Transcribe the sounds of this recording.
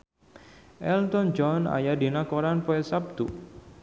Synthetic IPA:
ʔɛlt̪ɔnd͡ʒɔna̰jadinakɔɾanpɔɛsab̚t̪u

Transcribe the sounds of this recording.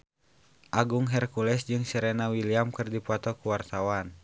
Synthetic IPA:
ʔaɡuŋɦɛrkulɛsd͡ʒɨŋsɛɾɛnawiliamkɨrdipat̪ɔkuwart̪awan

